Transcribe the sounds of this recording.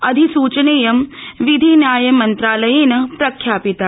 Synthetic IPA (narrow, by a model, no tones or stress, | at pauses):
ɐd̪ʱisuːt͡ʃɐneːjɐmʋid̪ʱinjaːjɐmɐnt̪ɾaːlɐjeːnɐpɾɐkʰjaːpit̪a